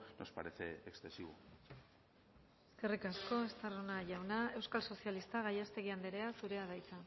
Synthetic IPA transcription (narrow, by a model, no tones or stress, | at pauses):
nospaɾeθeekst̪esiβo | e̞ske̞rikasko̞est̪aronaʝawnae̞wskalso̞sialist̪aɣajast̪e̞ɣiand̪eɾe̞asuɾe̞að̞ajt͡sa